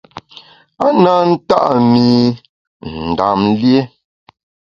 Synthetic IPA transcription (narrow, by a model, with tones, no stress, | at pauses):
a˦na˦n̩˦ta̰˦ʔmi˨ | n̩˨da̰˨m˦lje˦